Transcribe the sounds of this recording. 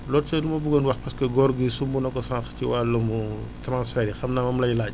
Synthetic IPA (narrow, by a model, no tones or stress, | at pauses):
lɔːtsɛlumɐbuɡɐnwɐxpɐskɐɡɔɾɡisumbunɐkɔsãŋxciwaːlɐmutɾãnsfɛɾixɐmnamɐmlɐjlaɟ